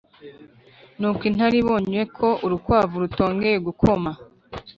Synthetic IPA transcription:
nuːkwin̥haɾiβo̞ːɲuje̞kʰo̞ʔuɾukwaːvuɾuto̞ːŋɡe̞ɾeɡukʰo̞ma

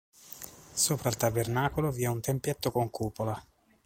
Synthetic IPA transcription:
soːpɾailt̪abernaːkoloviːɛunt̪empjet̪ːokoŋkuːpola

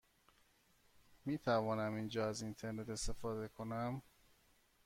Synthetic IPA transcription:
miːt̪ʰævɒːnæmind͡ʒɒːæzint̪ʰe̞ɾne̞t̪e̞st̪e̞fɒːd̪e̞kʰo̞næm

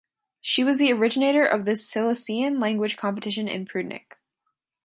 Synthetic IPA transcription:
ʃiwʌzðiə˞ɪd͡ʒɨneɪɾə˞ʔʌvðɨsɪlˠəsiɨ̃nlæ̃ŋɡwɨ̥ʒ̥kʰɑ̃mpətʰɪʃɨ̃nɨ̰̃npʰɹ̥ʉdⁿnɪ̰k

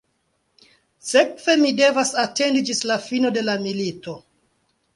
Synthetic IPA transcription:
se̞kve̞mide̞vasate̞ndid͡ʒislafino̞de̞lamilito̞

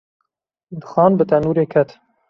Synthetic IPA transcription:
d̪ɨxɑːnbɨt̪ɛnuːɾeːkʰɛt̪

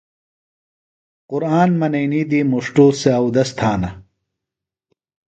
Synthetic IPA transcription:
qʊɾaːnmɐnɐjniːd̪iːmuʂʈuːseɐwd̪ɐst̪ʰaːnɐ

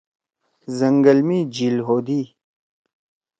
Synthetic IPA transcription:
zɐŋɡəlmiːd͡ʑilɦoːd̪iː

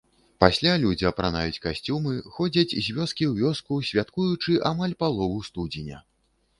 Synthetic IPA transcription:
pasʲlʲalʲud͡zʲiɐpɾana̰jut͡sʲkasʲt͡sʲumɨxɔd͡zʲɐt͡sʲzʲvʲɔskʲiwvʲɔskusʲvʲat̪kujut͡ʂɨʔamalʲpalˠɔvust̪ud͡zʲinʲɐ

